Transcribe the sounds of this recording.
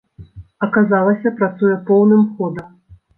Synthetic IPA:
ɐkazalˠɐsʲɐpɾat̪sujɛpɔwnɨmxɔd̪ɐ

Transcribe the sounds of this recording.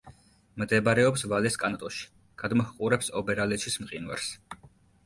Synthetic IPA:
md̪ɛbaɾɛɔpsvalɛskʼanat̪ʼɔʃi̥ | ɡ̥ad̪mɔhqʼuɾɛpsɔbɛɾalɛʃʰismqʼinwa̰ɾs

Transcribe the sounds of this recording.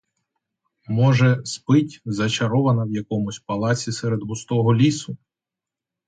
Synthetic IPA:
mɔʒɛspɪtʲzɐt͡ʃɐɾɔʋɐnɐwjɐkɔmʊsʲpɐlˠɑt͡sʲisɛɾed̪bʊst̪ɔɦɔlʲisʊ

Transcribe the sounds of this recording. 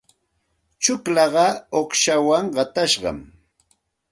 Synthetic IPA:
t͡ʃʊklɑɢɑoχʃawaŋɢɑt̪aʃɢɑ̰m

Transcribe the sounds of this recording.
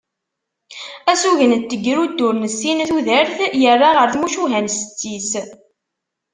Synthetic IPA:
æsuʝənt̪ːəɡːɾud̪ːʊɾnəsːinθuðəɾθjərˤːaʁəɾθmuʃuɦænsə̥t͡sːis

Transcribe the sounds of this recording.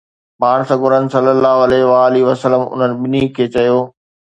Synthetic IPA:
paːɽ̃sɐɡʊɾənɪ̆sɐlːəlːaːɦoɐleɦʋaːliʋəsələmʊ̰n̤ənɪ̆ɓɪnikʰeːt͡ɕɐjoː

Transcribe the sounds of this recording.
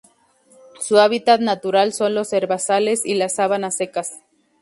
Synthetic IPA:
suaβ̞it̪at̪nat̪uɾalso̞nlo̞se̞ɾβasale̞silasːaβanase̞kas

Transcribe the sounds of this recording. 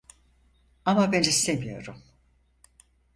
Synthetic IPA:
amabenise̞mijo̞̰ɾum

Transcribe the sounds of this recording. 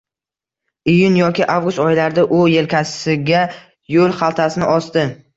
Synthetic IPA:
ɪjʊnjɒkʲɪʔavɡʊst̪ɒjɪlaɾd̪aʔʊje̞lkʲʰasɪɡʲa | jolˠχɑlˠt̪ʰasɪnɪʔɒst̪ɪ

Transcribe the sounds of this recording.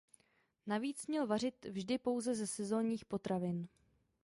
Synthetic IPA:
naviːt͡smɲɛlvar̝ɪt̪vʒdɪpo̞wzɛzɛsɛzo̞ːɲiːxpo̞t̪ɾʔavɪn

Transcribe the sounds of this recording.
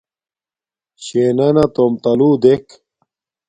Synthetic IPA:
ɕeːnɐnɐt̪omt̪ɐluːd̪ek

